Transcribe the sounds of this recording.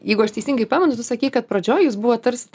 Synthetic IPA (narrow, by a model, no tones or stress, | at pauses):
jɛɪɡʊɐʃt̪ʲɛɪsʲiŋɡɐɪpɑːmʲɐnʊt̪ʊsɐkʲiːkɐt̪̚pɾɐd͡ʒʲoːjjuːsbuʋɐt̪ɐɾʲsʲɪt̪